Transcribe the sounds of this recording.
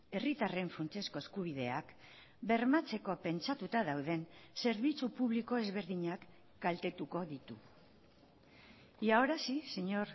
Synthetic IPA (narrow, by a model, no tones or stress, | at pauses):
e̞rit̪are̞ɱfunt͡se̞sko̞eskuβ̞iðe̞ak | be̞ɾmat͡se̞ko̞pe̞nt͡sat̪ut̪að̞awðe̞nse̞ɾβit͡supuβliko̞e̞zβe̞ɾðiɲak | ɡalt̪e̞t̪uko̞ðit̪u | iaoɾasiseɲo̞ɾ